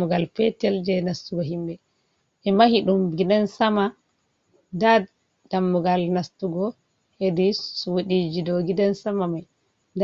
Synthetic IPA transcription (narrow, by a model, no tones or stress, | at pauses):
uɡalfɛtɛld͡ʒɛnastuɡɔɦimbɛ | ʔɛmahiɗumɡidansama | da | damːuɡalnastuɡɔ | hedisuwɗid͡ʒidɔɡidansamamaj | d